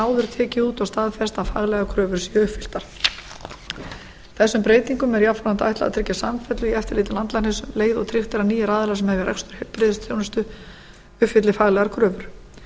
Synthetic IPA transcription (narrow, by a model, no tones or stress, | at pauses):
aːwðʏɾ̥t̪ʰɛːcɪuːt̪ɔst̪aːðfɛrst̪afaɣlɛɣakʰɾœːvʏɾ̥siʏhfɪl̥t̪aɾ̥ | θɛsːʏmpɾeːjt̪iŋkʏmɛɾjapfaant̪a̰jht̪la̰ða̰t̪ʰɾɪcːasamfɛt̪lʏiɛft̪ɪɾleːt̪ɪlant̪lanɪsmleːjðɔ̰t̪ʰɾɪxt̪ɪɾaniːjɪɾaːðɪlasɛmhɛvjaɾɛ̰kst̪ʏ̥ɾ̥hɛlpɾeːðɪst̪ʰjownʏst̪ʏ | ʏfɪt̪lɪfaɣlɛɣaɾkʰɾœːvʏɾ̥